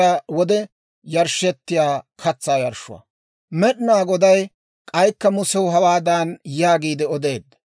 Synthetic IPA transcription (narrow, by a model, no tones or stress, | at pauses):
ɐwɔd̪ɛ | jɐɾʃɛt̪ːɪjaːkʰɐt͡sːaːjɐɾʃʊ̰wɐ̰ | mɛɗɪnaːɡɔd̪ɐj | kʼɐjkːɐmʊsɛwʊɦɐwaːd̪aːnjaːɡiːd̪ɛɔd̪e̞ːd̪ːɐ